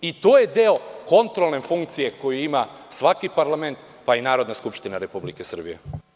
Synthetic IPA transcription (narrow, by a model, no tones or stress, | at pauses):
it̪oːje̞d̪eoko̞nt̪ɾolˠne̞fuŋkt̪sije̞ko̞juima | sʋakipaɾlˠame̞nt̪ | painaːɾod̪naskupʃt̪inaɾe̞publike̞sr̩bijḛ